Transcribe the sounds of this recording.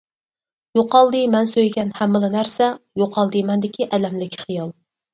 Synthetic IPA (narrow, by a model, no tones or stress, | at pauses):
joqɑlˠd̪ɨmɛnsøjɡʲɛnhæmːɨlˠɨnæɾsɛjoqʰɑlˠd̪ɨmɛnd̪ɪkʲʰiʔɛlɛmlɪkʲʰχijɑlˠ